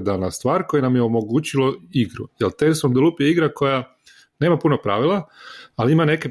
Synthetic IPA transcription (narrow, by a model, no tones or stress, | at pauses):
d̪anast̪ʋaːɾko̞jenamjeomo̞ɡuːt͡ɕilˠo̞iɡɾṵjelˠt̪eɾsomd̪elˠuːpjeiɡɾako̞ja | ne̞ːmapunopɾaʋilˠaaliimane̞ke